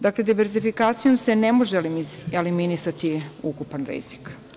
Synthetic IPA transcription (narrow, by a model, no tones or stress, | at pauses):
d̪akle̞d̪iʋeɾzifikaːt̪sijo̞mse̞nemo̞ʒelimieliminisat̪iukupanɾḭz̥ik